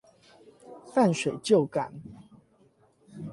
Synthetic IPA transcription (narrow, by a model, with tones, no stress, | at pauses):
fa˥˨nʂwe˨˩ɪt͡ɕjo˥˨ʊka˨˩˦n